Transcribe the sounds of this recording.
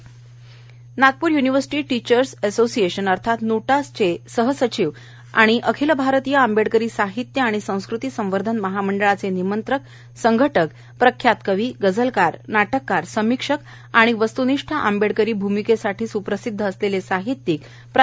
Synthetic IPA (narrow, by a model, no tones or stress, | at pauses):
naɡ̪̚puːɾjuniʋəɾsi̥ʈiːʈit͡ɕəɾsɛsosieɕənəɾt̪ʰat̪nuʈast͡sesəɦəsət͡ɕiːʋ | aɽ̃iʔəkʰilbʱaɾt̪ijəəmbeɽkəɾiːsaɦit̪jəaɽ̃isə̃w̃skɾut̪iːsə̃ʋəɾd̪ʱənməɦaməɳɖəɭat͡senimənt̪ɾək̚ | səŋɡʱəʈək | pɾəkʰjat̪kəʋiːɡəd͡zəlkaɾnaʈəkːaɾsəmikʂək | aɽ̃iʋəst̪uniʂʈʰaʔə̰mbeɽkəɾiːbʱumikesaʈʰiːsupɾəsid̪ʱːəːslelesaɦit̪jiːk | p